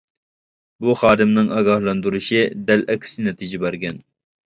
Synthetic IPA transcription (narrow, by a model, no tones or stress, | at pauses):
buχɑːd̪ɪmnɪŋɑːɡɑhlˠɑnd̪uɾuʃid̪ɛlɛkʲʰsɪnɛt̪ʰid͡ʒɛbæɾɡʲɛn